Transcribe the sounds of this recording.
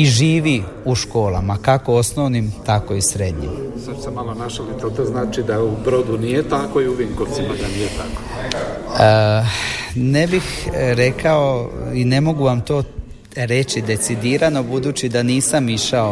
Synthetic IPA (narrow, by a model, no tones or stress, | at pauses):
iʒiːʋi | uʃko̞ːlˠamakako̞o̞snoʋnimt̪ako̞isɾe̞d̪ɲḭmsat͡ʃu̥semalonaʃalit̪ot̪oznaːt͡ʃid̪aubɾod̪unijet̪akoiuʋiŋkoʋt̪simad̪anijet̪ako | ə | ne̞bixɾe̞kaoine̞mo̞ɡuʋamt̪o̞ː | ɾe̞t͡ʃid̪e̞t̪sid̪iːɾano̞bud̪uːt͡ɕid̪aniːsamiʃao